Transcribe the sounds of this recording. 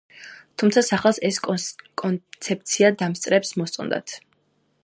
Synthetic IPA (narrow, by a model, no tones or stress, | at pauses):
t̪ʰumt̪sʰasaχɛlˠsɛsʼkʼɔnt̪sʰɛp̚t̪sʰiad̪amst̪sʼɾɛpsmɔst̪sʼɔnd̪a̰t̪ʰ